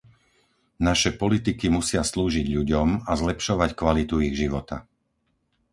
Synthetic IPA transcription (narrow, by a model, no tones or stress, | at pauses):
naʃɛpɔlit̪ikimusɪasluːʒiɟʎuɟɔmazlɛpʃɔʋackʋalit̪uiɣʒiʋɔt̪a̰